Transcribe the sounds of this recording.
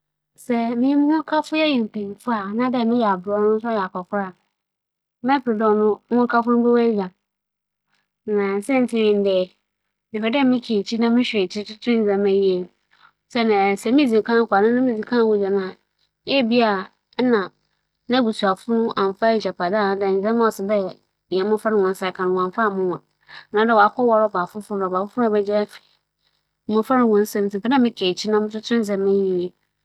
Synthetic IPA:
sɛ˦mɪ̃˦m˦ŋʊ̃˦kʰa˦fʊ˦jɛ˦jɛ˨m̩˨pʰɛ̃˨ɲ˨fʊ˦a˨nã˦dɛ˦˨mɪ̃˦jɛ˨a˨bɾɔ˦nʊ̃˦n˦s̬jɛ˨a˨kɔ˨kʰʊ˦ɾa˦˨ | mɛ̃˦pɾɪ˨dɔ̃˦nʊ̃˦ʊ̃˦kʰa˦fʊ˦nʊ̃˦bɛ˦wɛ˦jã˨˦ | nã˨sɛ̃˦n˨tʰɪ˦mɪ̃˨n˦dɛ˨ | nɪ̃˨fɛ˨dɛ˦mɪ̃˦kʰe˨t͡ɕʰi˦nã˦mɪ̃˦ɕᶣe˨t͡ɕʰi˦tʰʊ˦tʰʊ̃˦n˨d͡zã˨mɛ̃˦je˨ | sɛ˦nã˨sɛ˨mĩ˦d͡zĩ˨kʰã˦kʷa˨nʊ̃˦nʊ̃˦mĩ˦d͡zĩ˨kʰã˦˨wʊ˨d͡ʑa˨nã˨ | jɛ˦bi˦a˨˦ | nã˨ | nã˦bu˨su˨a˨fʊ˦nʊ̃˦ʔã˨m˨fa˦˨ɕa˨pa˨da˦˨ñ˨dɛ˨n̩˨zɛ̃˦m˦ɔ˨sɪ˨dɛ̃˦˨ | ɛ˨˦mʊ̃˦fa˦nɪ̃˨wɔ̃˨n˦sa˨˦kʰã˨nʊ̃˦˨ã˨fa˦˨mʊ̃˦˨ã˨ | nã˨˦dɛ˦˨wɔ˨a˦kʰɔ˦wɔ˦ɾɔ˦˨baː˨fʊ˦fʊ˦ʊ̃˦a˨ba˨fʊ˦fʊ̃˦˨bɛ˦d͡ʑa˦fɛ̥˨˦ | mʊ̃˦fa˦nɪ̃˨wɔ̃˨n˦sɛ̃˦m˨sɪ˨tɛ˦nã˦mɪ̃˦kʰe˨t͡ɕʰi˦nã˦mɪ̃˦t͡ʃʰʊ˦tʰɪ̃˦n˦zɛ̃˨mɛ˦ji˦e˨

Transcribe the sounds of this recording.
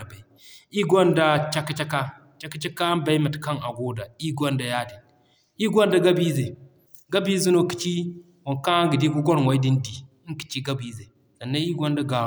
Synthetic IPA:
a˨ba˨i˨ | i˦ɡʷo˦nda˦t͡ʃa˦kːi˦t͡ʃa˦ka˦ | t͡ʃa˦ki˦t͡ʃa˦ka˦ba˦i˦ma˨tka˦ŋa˨ɡo˦da˨i˦ɡʷo˦nda˨ja˦di˨n | i˦ɡʷo˦nda˦ɡa˦bi˦ze˨ | ɡa˦bi˦zi˦no˦ki̥˨t͡ʃi˦ | wo˨ŋka˦ŋɡi˨di˦ɡu˦ɡo˦n˨wa˨i˦di˦ndi˨˦ | ki̥˨t͡ʃi˦ɡa˦bi˨ze˨ | za˨nːa˦i˦ɡo˦nda˦ɡa˨

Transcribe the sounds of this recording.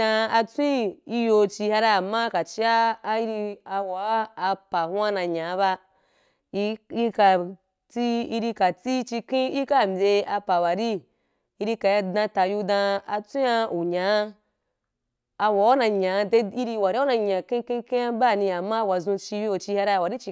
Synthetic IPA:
ã˧a˧t͡sʷĩ˦i˦jo˧˨t͡ʃi˧ha˧ɾa˧a˨mːa˦ka˨t͡ʃi˦aː˦˧i˦ɾi˧a˧wa˨˦a˧pa˨hũ˦a˦nã˧ɲã˨˦ba˧ | i˧ka˨ | t͡si˦i˧ɾi˧ka˨t͡si˦t͡ʃi˧kĩ˦i˦ka˦˨mbʲe˧a˧pa˨wa˨ɾi˦ | i˧ɾi˧ka˨ja˧dã˧ta˨˧ju˧dã˧a˧t͡sʷĩ˦a˧u˨ɲã˨˦ | a˧wa˨˦wa˦nã˧ɲã˨˦de˧˦i˧ɾi˧wa˨ɾi˦u˦nã˧ɲã˨kĩ˦kĩ˦kẽ˦ja˧ba˦˨nĩ˧a˨mːa˦˧wa˨zũ˧t͡ʃi˧o˨t͡ʃi˧ha˧ɾa˧˨wa˨ɾi˦t͡ʃi˧

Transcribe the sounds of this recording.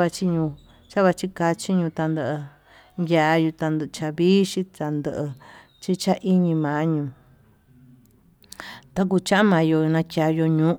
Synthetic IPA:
a˧t͡ʃi˧ɲũ˧ | t͡ʃa˦βa˧t͡ʃi˦ka˧t͡ʃi˦ɲũ˧t̪a˧nd̪ə˧ʔə˧ | ja˧˨˧ju˧t̪a˧nd̪t͡ʃa˧βiː˦ʃi˦t̪a˧nd̪ə˧ʔə˧ | t͡ʃi˦t͡ʃa˦ʔi˦ɲĩ˧mã˨˦ɲũː˧˨ | t̪a˧k̬u˧t͡ʃã˦ʔã˦mã˨˧jo˧nã˧kʲa˨˧jo˧ɲũ˦

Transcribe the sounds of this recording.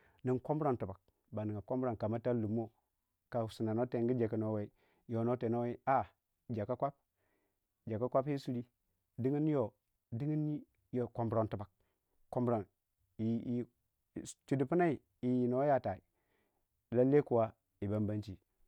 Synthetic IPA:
ni˨ŋkʷo˦mbɾa˨ntu˨ba˨k̚ | ba˨ni˨ŋɡa˨ko˦mbɾa˨nka˨ma˦ta˦lu˨mːo˦ | ka˨su˨na˨no˦te˨ŋɡi˦d͡ʒa˨ki˨no˦we˦i˦ | jo˨no˦te˨no˦we˦i˦a˦ | d͡ʒa˨ka˦kʷa˦p̚ | d͡ʒa˨ka˦kʷa˦pi˦su˦li˦ | di˦ŋi˦n˦o˨ | di˦ŋi˦n˦ | jo˨ko˨mbɾo˨ntu˨ba˨k̚ | kːo˦mbɾa˨n | i˨ | t͡ʃu˨du˨pu˦na˦i˨ | i˨ji˨no˨˦ja˦ta˨i˨ | la˦lːe˦ku˨wa˦ | i˨ba˦mba˦nt͡ʃi˨

